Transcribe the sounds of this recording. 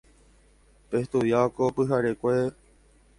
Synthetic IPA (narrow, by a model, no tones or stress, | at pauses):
peht̪uʋjaokopɨɦaɾekʷe